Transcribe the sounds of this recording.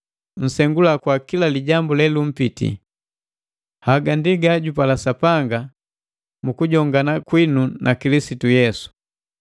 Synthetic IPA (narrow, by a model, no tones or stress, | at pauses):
n̩sɛŋɡulakwakilaliɟambulɛlum̩pitḭ | haɡandiɡaɟupalasapaŋɡa | mukuɟɔŋɡanakwinunʔakilisitujɛsu̥